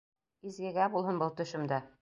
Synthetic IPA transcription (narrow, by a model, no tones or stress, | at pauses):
izɡɘ̆ɡæbulˠhɤnbɤlˠt̪ɵ̆ʃɘ̆md̪æ